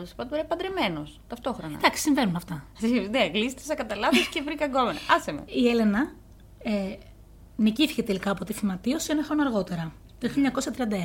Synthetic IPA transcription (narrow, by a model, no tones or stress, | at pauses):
ot̪ɐsi̥pɐt̪ɾeɐpɐnd̪ɾimenost̪ɐft̪o̞xɾonɐ̰d̪ɐksi̥siɱvenunɐft̪ɐçiineɐɣlist̪esɐkɐt̪ɐlɐviscevɾikɐɡo̞menɐɐsemḛie̞le̞nɐ | e | niciθi̥cet̪e̞likɐːpot̪ifimɐt̪io̞sienɐxɾonoɐɾɣo̞t̪e̞ɾɐ | t̪oçilʎːjɐɲɐko̞sɐt̪ɾiɐnd̪ɐeɐ